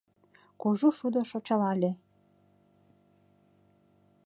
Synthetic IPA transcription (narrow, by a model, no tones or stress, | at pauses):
koʒuʃud̪oʃot͡ɕɑlɑlʲe